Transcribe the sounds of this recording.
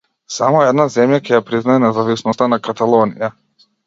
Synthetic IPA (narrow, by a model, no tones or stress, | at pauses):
samɔɛd̪nazɛmjakɛjapɾiznaɛnɛzavisnɔst̪anakat̪alˠɔnija